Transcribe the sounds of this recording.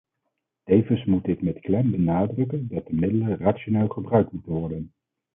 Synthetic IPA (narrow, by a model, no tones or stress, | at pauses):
tejvənsmutɪkmɛtklɛmbənaːdrɵkəndɑt̚dəmɪdələraʃoneːlˠχəbrœɥk̚tmutənʋɔɹdən